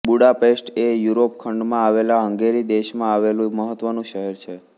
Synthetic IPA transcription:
buɽapesʈejuɾopkʰəɳɖmãaʋelaɦə̃ŋɡeɾid̪eʃmãaʋelũməɦət̪ːʋənũʃəɦɛɾt͡ʃʰe

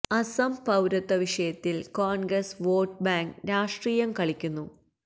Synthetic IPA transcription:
ɐsɐmpɐwɾɐt̪ːɐʋiʂɐjɐt̪ːilkoːnɡɾɐsʋoːʈ̚baːŋkɾaːʂʈriːjɐmkɐɭikʲːunːu

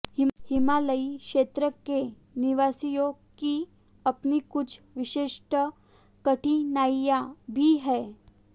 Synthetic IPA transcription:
hihimaləikʃet̪ɾəke | niʋasijoki | ɐpnikʊt͡ʃʰ | ʋɪʃeʂʈə | kəʈinajjabʱiɦɛː

